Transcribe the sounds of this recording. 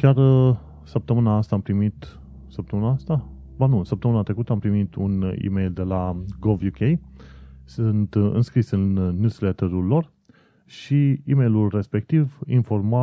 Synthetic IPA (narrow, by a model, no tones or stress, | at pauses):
kʲar | səp̚t̪əmɨnaast̪aːmpɾimit̪ | səp̚t̪əmɨnaast̪a | banusəp̚t̪əmɨnat̪ɾe̞kut̪əampɾimit̪ʰunḭmejld̪e̞laɡolvjukʰʲej | sɨnt̪ɨ̰nskɾisɨnːjuslet̪eɾulːo̞r | ʃiimejlulre̞spe̞k̚t̪ivinfo̞rma